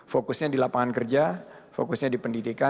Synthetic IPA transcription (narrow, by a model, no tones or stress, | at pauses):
fokʊsɲadilapaŋankərd͡ʒa | fo̰kʊsɲadipəndidika